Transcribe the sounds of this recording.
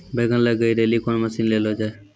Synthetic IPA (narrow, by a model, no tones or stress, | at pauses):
beːɡənləɡəiːɾeːliːkoːnməsiːnleːlɦoːd͡ʒae